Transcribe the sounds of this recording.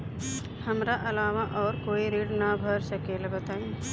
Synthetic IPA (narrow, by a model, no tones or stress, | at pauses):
hɐmɾaʔɐlaːʋaʔɔːɾkoːiɾiːɖnabʱəɾsɐkeːlebɐt̪aːẽː